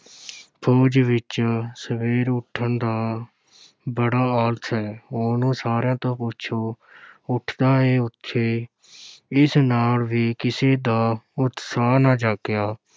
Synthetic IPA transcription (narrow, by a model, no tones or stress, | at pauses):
pʰoːd͡ʒʋɪt͡ʃsəʋeːɾʊʈʰːənd̪aː | bəɽaːaːlət̪ɦɛːoːnũːsaːɾjãːt̪õːpʊt͡ʃʰoː | ʊʈʰd̪aːeːʊt̪ʰːeː | ɪsnaːlʋiːkɪseːd̪aːʊt̪saːnãːd͡ʒaːkɪjaː